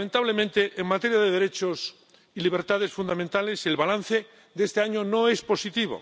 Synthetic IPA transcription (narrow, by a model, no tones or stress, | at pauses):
ment̪aβlemẽnt̪e̞ʔeŋmat̪e̞ɾjaðeðeɾe̞t͡ʃo̞s | iliβ̞eɾt̪að̞e̞sfund̪ament̪ale̞selβalanθe̞ | d̪eest̪eaɲonoespo̞sit̪iβo̰